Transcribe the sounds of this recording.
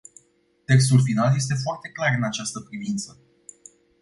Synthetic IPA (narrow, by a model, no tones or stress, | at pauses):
t̪e̞ks̬t̪ulfinalje̞s̬t̪e̞foart̪e̞klarɨnat͡ʃast̪əpɾivint̪sə